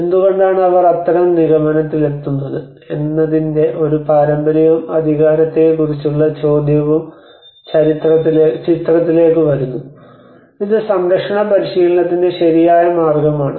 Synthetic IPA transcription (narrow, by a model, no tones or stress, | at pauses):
e̞nd̪uɣo̞ɳɖaːɳɨɐʋɐrɐt̪ːɐɾɐmniɣɐmɐnɐt̪ːile̞t̪ːunːɐðɨ | e̞nːɐðinde̞ʔo̞ɾupaːɾɐmbɐɾɐʋumɐd̪ʱiɣaːɾɐt̪ːe̞kurit͡ɕːuɭːɐt͡ɕo̞ːd̪ʱjɐʋum | t͡ɕɐɾit̪rɐt̪ːilet͡ɕit̪rɐt̪̬ːile̞ːkːɨʋɐɾunːu | iðɨsɐmɾɐkʂɐɳɐpɐɾiʂɐjilːɐðinde̞ɕɐɾijaːjɐmaːrɡɐmaːɳɨ